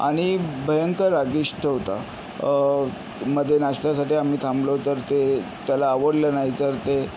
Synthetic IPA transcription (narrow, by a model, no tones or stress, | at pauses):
a̰ɽ̃ibʱəjəŋkəɾaɡiɕʈʰəɦot̪a̰ | məd̪ʱːjenast̪jasaʈiːam̤iːt̪ʰamblot̪əɾt̪et̪jalaːʋəɽlənaɦit̪əɾt̪e